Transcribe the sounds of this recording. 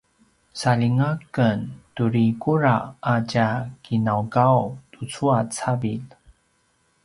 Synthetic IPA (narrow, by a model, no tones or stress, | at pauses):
saliŋakəntuɾikuɾaacakʰinawɡawtut͡suat͡sabil